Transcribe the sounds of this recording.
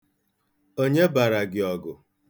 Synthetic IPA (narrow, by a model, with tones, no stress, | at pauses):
o˦ɲe˦ba˨ɾa˨ɡɪ˨ɔ˨ɡʊ˨